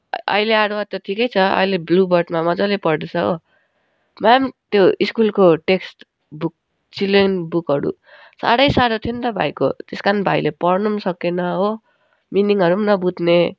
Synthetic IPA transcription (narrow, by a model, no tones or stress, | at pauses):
ʌ̰jleaɽoat̪ʌʈʰikʌjt͡sʰʌʌ̰jleblubʌrʈmamʌd͡zʌlepʌrd̪esʰʌo | mamt̪joiskulkoʈeksʈ | buk̚ | t͡silenbukɦʌɾṵ | sa̰ɽʌjsaɽot̪ʰiont̪ʌbʱa̰jko̰t̪eskanbʱajlepʌrnumsʌkenʌɦo | miniŋʌɾumnʌbud̪ʱne